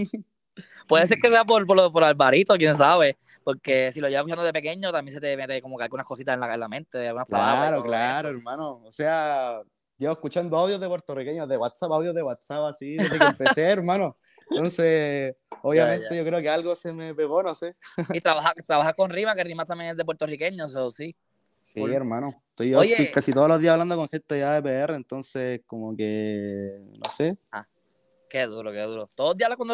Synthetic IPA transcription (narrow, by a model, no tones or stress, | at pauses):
pwe̞ðeseɾkes̬e̞ap̬oɾpolpoɾalbaɾit̪ok̬jens̬aβe̞ | po̞ɾke̞silo̞jβakut͡ʃand̪oðepe̞ke̞ɲot̪amjens̬et̪emet̪ekomokealɡunahko̞sit̪asenlakaelamẽ̞nt̪eðealɡɣunakpɾalaaβɾaɾoklaɾoeɾmãnoosea | ɟ͡ʝeehkut͡ʃand̪oawðjozðepweɾt̪orikeɲoðeɣwat̪sapawðjoðeɣwat̪sapasieeempeseeɾmãno | nonse | oβjamẽnt̪eʝo̞kɾeokealɣosemepe̞ɣo̞noseit̪ɾaβahat̪ɾaβaxaɾkonrimakerimat̪amjeŋezðep̬weɾt̪orikeɲososi | sieɾmãnoet̪ojojeikasit̪oðolo̞ðiahaβland̪o̞koŋxent̪eðeaep̬eereːnt̪o̞nsekomoke | no̰sea̰ | keðuɾokeðuɾot̪oðoloðialakwand̪